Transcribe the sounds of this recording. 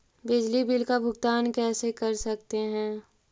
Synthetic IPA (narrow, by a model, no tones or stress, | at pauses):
bɪd͡ʒlibɪlkabʱʊɡt̪aːnkɛːsekɐɾsɐk̚t̪eɦɛ̃ː